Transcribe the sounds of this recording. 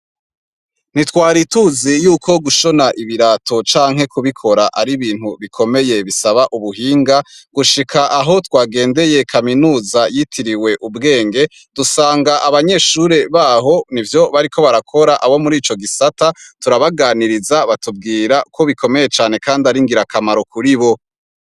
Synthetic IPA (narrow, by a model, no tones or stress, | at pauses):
n̥itwaːɾituzijuːkʰo̞ɡuʃo̞naʔiβiɾatʰo̞t͡ʃaːŋɦe̞kuβikʰo̞ɾaʔaɾiβiːn̥huβikʰo̞me̞je̞βisaβaʔuβuɦiːŋɡaɡ̥uʃikʰaʔaɦo̞twaːɡe̞ːnde̞je̞kʰaminuːzajitʰiɾiwe̞ʔubɡe̞ːŋɡe̞ | d̥usaːŋɡaʔaβaɲe̞ʃuɾeβaːɦo̞nivjo̞βaɾikʰo̞βaɾakʰo̞ɾaʔaβo̞muɾiːt͡ʃo̞ɡisatatuɾaβaɡaːniɾizaβatub̚ɡiːɾako̞βikʰo̞me̞je̞t͡ʃaːne̞kaːndiaɾiŋɡiɾakamaɾo̞kʰuɾiβo̞